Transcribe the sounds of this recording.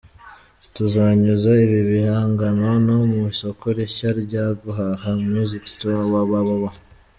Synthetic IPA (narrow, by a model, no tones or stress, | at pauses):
tuzaɲuzaiβiβihaːŋɡano̞nomuso̞koɾiʃaɾɟaɡuɦahamɲuzikstoaβaβaβaβa